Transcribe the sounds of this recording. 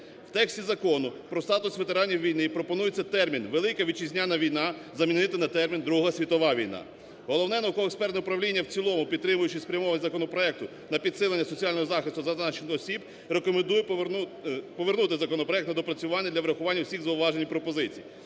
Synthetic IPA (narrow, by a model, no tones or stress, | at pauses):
wt̪ɛksʲtʲizɐkɔnʊpɾɔst̪ɑt̪ʊsʋe̞t̪eɾɑnʲːijʋʲijnɪjpɾɔpɔnujet͡sʲːɐt̪ɛrmʲinʋelˠɪkɐʋʲid̚t͡ʃizʲnʲanɐʋʲijnɑzɐmʲinɪt̪ɪnɐt̪ɛrmʲind̪ɾuɦɐsʲʋʲit̪ɔʋɑʋʲijnɑ̰ | ɦɔlˠɔwnɛnɐukɔʋɔekspɛrt̪ʊpɾɐʋlʲinʲːɐwt͡sʲilˠɔmʊpʲid̪t̪ːɾɪmʊjʊt͡ʃɪspɾʲɐmɔʋɐnʲzɐkɔnɔpɾɔɛk̚t̪ʊ | nɐpʲid̪sɪlˠenʲːɐsɔt͡sʲiɑlʲnɔɦɔzɑxɪst̪ʊzɐnɑt͡ʃenɪxɔsʲib | ɾekɔmend̪ujɛ | pɔʋernut̪ɪzɐkɔnɔpɾɔɛk̚t̪nɐd̪ɔpɾɐt͡sʲʊʋɑnʲːɐd̪lʲɐʋɾɐxʊʋɑnʲːɐwsʲixɣzɐʊʋɑʒenʲijpɾɔpɔzɪt͡sʲḭj